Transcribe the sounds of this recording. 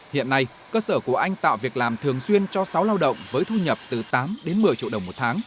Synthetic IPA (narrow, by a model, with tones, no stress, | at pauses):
hḭ˧˨ənːa˧j | kəː˧səː˧˩ku˧˩əʔa˧jŋ̟t̪a̰ː˧˨wvi˨˩ək̚laː˨˩mt̪ʰɨ˨˩əŋswi˧ənt͡ɕɔ˧sa˨˦wlaː˧wɗə̰˧˨wŋ͡mvəː˨˦jt̪ʰu˧ɲə˨˩p̚t̪ɨ˨˩t̪aː˨˦mɗe˨˦nmɨ˨˩əjt͡ɕḭ˧˨əwɗə˨˩wmo˨˩t̚t̪ʰaː˨˦ŋ